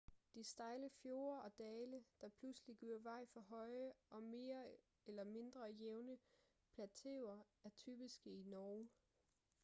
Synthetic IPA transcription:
d̥isd̥ɑ̈ɪləfjo̝ːɐɒ̽d̥ɛːləd̥ɑ̈pʰlusliɡ̥yɐʋɑ̈ɪ̰fɒ̽ɦɒ̽ɪʔɒ̽me̝ːɐ | elɐme̝nd̥ʁɐjeʊnə | pʰlæt͡sʰe̝ʊɐ | æɐt͡sʰy̰ːb̥isɡ̥əinɒː

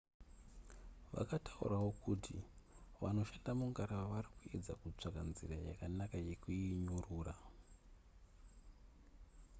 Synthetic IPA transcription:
ʋa̰katʰaṵrawo̞kutʰḭʋano̞ʃandamuŋɡaɾaʋarikue̞d͡zakut͡ʂakanziraja̰kanakaje̞kuiɲuruːra

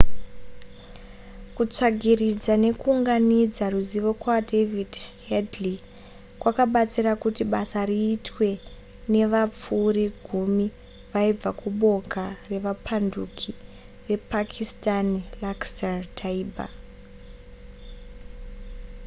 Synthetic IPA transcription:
kut͡ʂaɡʱirid͡zane̞kuːŋɡanid͡zaruziʋo̞kwadʱevidhedli | kwakaɓat͡sirakutiɓasariːtwe̞ | ne̞ʋap͡fuːriɡʱumi | ʋaib͡vakuɓo̞kare̞ʋapʰandukʰi | ʋe̞pakʰistanlaksartʰaiːbʱa̰

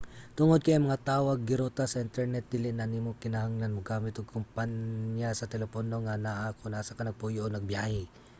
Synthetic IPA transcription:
t̪ʊŋod̪̚kɐjɐmɐŋat̪aːʔoɐɡːɪɾot̪asɐʔɪnt̪ɛɹnɛt̪̚d̪iːlɪʔnɐnimokɪnɐhaŋlanmoɡaːmɪt̪oɡ̚kʰʊmpaɲjasɐt̪ɛlɛpono̞ŋanaʔakonasakɐnɐɡ̚puːjoʔonɐɡ̚bjaːhɪ

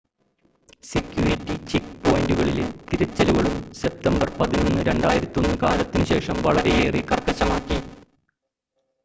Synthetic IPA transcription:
sekʲjuːɾitːit͡ɕikpo̞ːjinduɣɐɭḭlet̪iɾɐt͡ɕːɐluɣɐɭumse̞p̚t̪ɐmbɐrpɐðino̞nːɨɾeɳɖaːjiɾɐt̪ːio̞nːɨkaːlɐt̪ːinɨɕe̞ːʂɐmʋɐɭɐɾe̞jeːrikɐrkːɐt͡ɕːɐmaːkːi

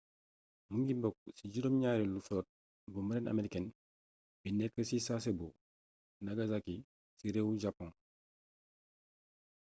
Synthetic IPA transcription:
muŋɡimbɔk̚siɟiɾɔmɲaːɾɛlufɔt̚ | buməɾɛna̰meɾikɛn | binɛkːəsisasɛbo | naɡazaki | siɾewuɟapːɔ̃n

